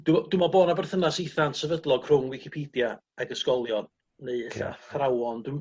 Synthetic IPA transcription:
d̥dwɪmɔboːdnabɛrθənasiθantsɛvədlˠɔɡ̥kʰr̥ʊŋwɪkʰipʰiːdja | aɡəskɔlˠjɔ | neɨəɬa̰θrawɔndwɪm

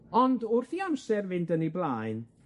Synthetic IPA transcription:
ɔndʊrθiamsɛrvɪndəniblˠaːjn

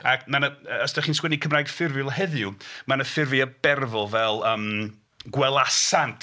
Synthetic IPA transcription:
akmanəɔsdaχiːnskwɛnikʰəmraːjɡ̥fɪrvɪlˠɦɛðjumanəfɪrvɨəb̥ɛrvɔvɛlˠəːm | ɡwɛlˠasantʰ

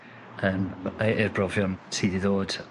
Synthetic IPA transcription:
əːmʔɪrbrɔvjɔnsʰiːdɪðoːd̥

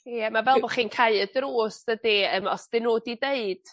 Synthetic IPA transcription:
jɛmavɛlˠbɔχinkʰaɨədruːsd̥ədiəmɔsd̥ɪnoːdideɨd̥

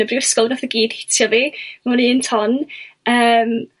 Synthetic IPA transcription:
əbriwɛskɔlˠnaθəɡiːd̥hɪ̥tʰjɔvimaniːntʰɔnəːm

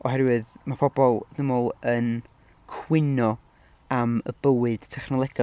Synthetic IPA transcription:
ɔɦɛɾwɨðmapʰɔbɔlˠdɪmolˠən | kʰwɪnɔ | amə̰b̥əwɨd̥tʰɛχnɔlˠɛɡ̥ɔ

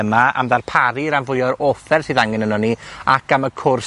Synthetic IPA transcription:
əmaa̰mðarpʰaɾiɾamvʊjɔɾofɛrsɨðaŋɛnənɔniakʰaməkʰʊrs

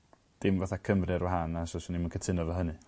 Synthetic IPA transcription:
d̥ɪmvaθakʰəmrɨɾwaɦanasɔsanimənkʰətʰɪnɔvaɦənɨ

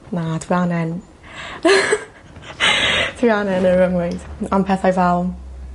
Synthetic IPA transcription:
nadwianɛn | dʰwianɛnəɹəŋwɪd̥anmpʰɛθajvɛlˠ

